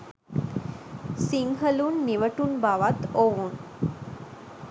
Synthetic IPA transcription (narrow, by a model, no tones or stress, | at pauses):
siŋɦəlunːiʋəʈunbaʋat̪oʋun